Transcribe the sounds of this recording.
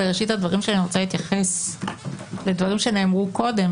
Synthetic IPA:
eʁeʃithadvaʁimʃeaniʁo̞t͡salit̪jaχe̞s | le̞dvaʁimʃeneːmʁuko̞de̞m

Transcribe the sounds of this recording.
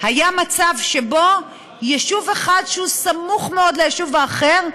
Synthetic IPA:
hajamat͡savʃe̞bo̞ | jeʃuveχad̪ʃehusamuχmeo̞dlejeʃuvaːχe̞ʁ

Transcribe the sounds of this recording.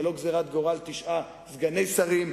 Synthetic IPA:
lo̞ɡzeʁat̪̚ɡo̞ʁalt̪iʃʔa | zɡane̞jsaʁim

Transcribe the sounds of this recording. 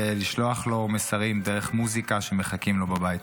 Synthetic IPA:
liʃlo̞aχlo̞mesaʁimd̪eʁeχmuzikaʃeme̞χakimlo̞babajit

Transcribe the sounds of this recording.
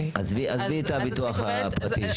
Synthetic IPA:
ʔazviʔazvit̪abit̪uaχapʁat̪i

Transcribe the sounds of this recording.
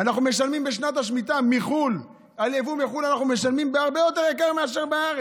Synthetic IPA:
anaχnume̞ʃalmimbeʃ̬nat̪aʃmit̪amiχul | alevumiχulanaχnume̞ʃalmimbeaʁbejo̞t̪e̞ʁekaʁmeaʃeʁbaaʁe

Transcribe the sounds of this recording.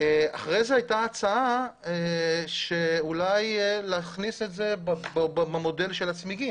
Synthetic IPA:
eaχʁejzehajtaːt͡saa | ʃeulajlaχnise̞tze̞bbbbamode̞lʃelat͡smiɡim

